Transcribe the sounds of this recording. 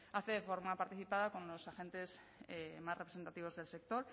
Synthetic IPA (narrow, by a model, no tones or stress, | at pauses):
aθeðefo̞ɾmapaɾt̪iθipaðakõ̞nlo̞saxe̞nt̪e̞s | emasre̞pɾese̞nt̪at̪iβ̞o̞zðe̞lse̞k̚t̪o̞ɾ